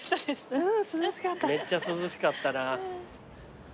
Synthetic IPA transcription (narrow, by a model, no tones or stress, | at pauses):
t̪ːad̪esɨ̥sɨzɕi̥kat̪ːame̞t͡ɕːasɨzɨɕi̥kat̪ːana